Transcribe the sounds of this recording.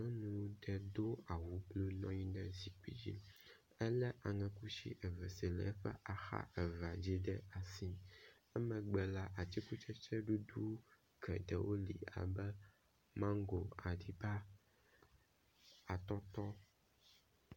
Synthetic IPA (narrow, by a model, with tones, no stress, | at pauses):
ɔ̃˦nũ˨wɖɛ˨d̪o˦a˨wu˨blo˦nɔ̃˦ɲĩ˦ɖɛ˦zi˨k͡pḭ˦d͡ʑḭ˦l | ɛ˦lɛ˦ʔa˨ŋɛ̃˨ku˦ʃḭ˦ʔɛ˨vɛ˨si˨lɛ̰˨˦ɸɛ̰˦ʔa˨xa̰˦ʔɛ˨va˨d͡ʑi˦ɖɛ˦a˨sĩ˦ | ɛ˦mɛ̃˨ɡ͡bɛ˨la˦ʔa˨t̪i˦ku˦t͡ʃɛ˦t͡ʃɛ˦ɖu˦d̪u˦ | kʰɛ̰˨d̪ɛ˨wʔo˦lḭ˨a̰˨bɛ˦ | mã˦ŋ˦ɡo˨a˨ɖi˨ba˦ | a˨t̪ɔ˦t̪ɔ˦